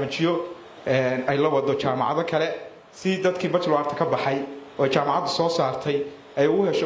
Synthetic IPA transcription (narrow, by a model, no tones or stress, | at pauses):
mɐt͡ʃɪjɔ | ɛnɛjlɐwɑd̪ɔt͡ʃaːmɑ̰ʕɑðɐkʰɐlɛ | sɪd̪ɐd̪kʰiːbɐt͡ʃ̪ʰlʊaːrt̪ʰɐ̥kʰɐbɑħɑjɔːɛjt͡ʃaːmɑʕɑd̪ʊsɔːsaːrt̪ʰɛj | ɛjʊɣʊhɛʃɛ